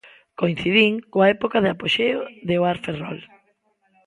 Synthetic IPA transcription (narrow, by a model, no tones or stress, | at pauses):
koĩn̟θiðiŋkoaɛpokaðɪapoʃeoðeoaɾferɔ̰l